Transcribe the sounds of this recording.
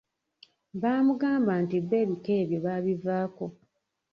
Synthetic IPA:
βaːmuɡaːmbantiβe̞βike̞ːβjoβaːβivaːko̞

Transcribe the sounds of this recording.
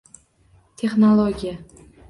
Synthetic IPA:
t̪ʰe̞χnolˠoɡʲija

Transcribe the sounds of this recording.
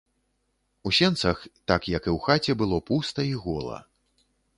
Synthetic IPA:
usʲɛnt̪sɐxt̪akjɐkɨwxat͡sʲɛbɨlˠɔpust̪ɐiɣɔlˠɐ̰

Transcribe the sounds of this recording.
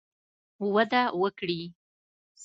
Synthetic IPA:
wad̪awəkɽi | s

